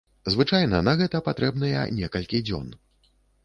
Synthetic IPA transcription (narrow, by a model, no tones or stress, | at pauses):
zvɨt͡ʂajnɐnɐɣɛt̪ɐpat̪ɾʔɛbnɐjɛ̰nʲɛkɐlʲkʲid͡zʲɔ̰n